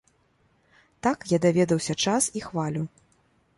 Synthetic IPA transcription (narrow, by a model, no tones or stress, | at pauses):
t̪akjad̪avʲɛd̪ɐwsʲɐt͡ʂasixvalʲu